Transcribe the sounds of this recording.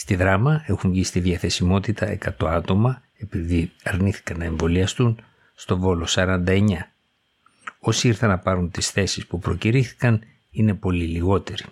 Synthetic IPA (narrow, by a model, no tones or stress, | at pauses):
st̪iðɾɐmɐe̞xuɱʝist̪iðʝɐθe̞simo̞t̪it̪ɐe̞̰kɐt̪o̞ɐt̪o̞mɐ | e̞piðiɐɾniθi̥kɐnɐeɱvo̞liɐst̪un | st̪o̞vo̞lo̞sɐɾɐnd̪ɐe̞ɲɐ | o̞siiɾθɐnɐpɐɾunt̪isθe̞sispupɾo̞ciɾiθi̥kɐn | ine̞po̞liliɣo̞t̪e̞ɾi